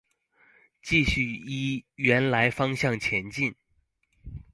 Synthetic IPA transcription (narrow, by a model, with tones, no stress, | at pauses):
t͡ɕi˥˧ɕy˥˩i˥ɥɛ˧˥nla˧˥ɪfɑ˥ŋɕjɑ˥˩ŋt͡ɕʰjɛ˧˥nt͡ɕi˥˩n